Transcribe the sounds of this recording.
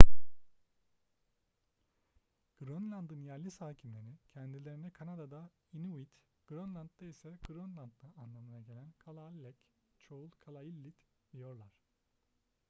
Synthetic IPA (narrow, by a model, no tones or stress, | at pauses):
ɡ̥ɾonlʲˠand̪ɯnjæɾlʲisaːcʰimlʲe̞ɾicʰɛnd̪ilʲe̞ɾinɛkʰanad̪ad̪a | iniwit̪ | ɡ̥ɾonlˠand̪d̪aisɛɡ̥ɾonlˠand̪̚d̪aanlˠamɯnaɟe̞lʲænkʰalˠalʲːɛc | t͡ʃʰoulˠkʰalˠailʲːit̪ | d̪ijo̞ɾlˠaɾ̝̥